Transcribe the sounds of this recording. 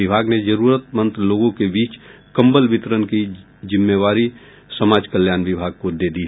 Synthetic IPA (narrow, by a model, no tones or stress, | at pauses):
ɪbʱaːɡned͡ʒəɾuːɾət̪mə̃nt̪ɾloːɡõkebiːt͡ʃ | kɐ̃mbəlbɪt̪ɾənki | d͡ʒɪmːeʋaːɾi | səmaːd͡ʒkəljaːnʋɪbʱaːɡ̚kod̪eːd̪i